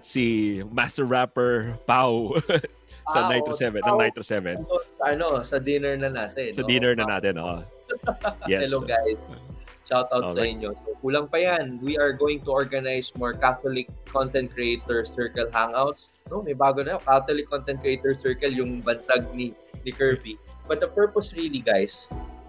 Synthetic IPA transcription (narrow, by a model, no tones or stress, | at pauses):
simast̪ɛɹːapɛɹpaw | sɐnajt̪ɾsɛvɛnɐnajt̪ɾosɛvɛnosɐʔɐno̞sɐd̪ɪnɛɹnɐnaːt̪ɛnsɐd̪inɛɹnɐnaːt̪ɛno̰ | jɛhɛloɡajsʃawt̪aw̪sɐʔɪɲjosokuːlɐŋpɐjanwiʔɐɹɡoːwɪŋt̪ʊɔɹɡɐnajsmɔɹkaθolɪkːɔnt̪ɛ̃nt̪̚kɹiejt̪ɔɹsɛɹkɐlɦaŋawt̪s | nomɐjbaːɡonɐjokat̪olɪkːont̪ɛnt̪̚kɹɛʔejt̪ɔɹsɛɹkɛljʊŋbɐnsaɡ̚ni | nɪkɛɹvipɐd̪ɐpɛɹposɹiliɡajs